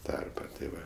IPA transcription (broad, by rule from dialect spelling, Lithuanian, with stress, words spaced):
ˈtɐrpɐ tʲeː ˈʋɐ